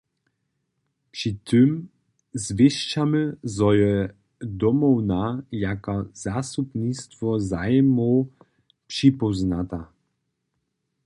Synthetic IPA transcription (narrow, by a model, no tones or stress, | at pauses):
pʂit̪ʰɨm | zvʲɛʂt͡ʃamɘzɔjɛ | d̪ɔmɔwnajakɔz̥asupnist̪fɔzajmɔ | pʂipɔznat̪a